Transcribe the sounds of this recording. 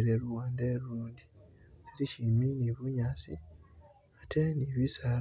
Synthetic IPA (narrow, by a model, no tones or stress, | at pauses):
ɾeɾuwaːndeluːndi | teɾiʃiminiβuɲasi | atʰeniβisa